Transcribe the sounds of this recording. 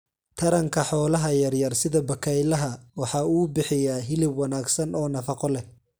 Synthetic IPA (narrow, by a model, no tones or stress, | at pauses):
t̪ʰɐɾɐŋkʰɐħɔːlɐɦɐjɐrjɐrsɪðɐbɐkʰɛjlɐɦɐwɑħɑːuːbɪħɪjaːɦɪlɪbwɑnaːɡsɐnɔːnɐfɑqɔlɛ